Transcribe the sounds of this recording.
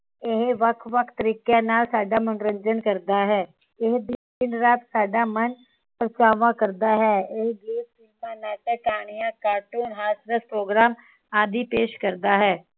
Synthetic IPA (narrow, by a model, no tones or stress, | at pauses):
ɪɦʋəkʰʋəkʰt̪əɾiːkenaːlsaːɖaːmənɾə̃ɲd͡ʒənkəɾd̪aːɦɛː | ɪɦd̪ɪ | ɪnɾaːt̪saːɖaːmən | pɾət͡ʃaːʋãːkəɾd̪aːɦɛːɪɦɡeːpsiːmãːnaːʈəkaːɳ̃ijãːkaːɾʈuːnɦaːsɾəspɾoːɡɾaːm | aːd̪ipeːʃkəɾd̪aːɦɛː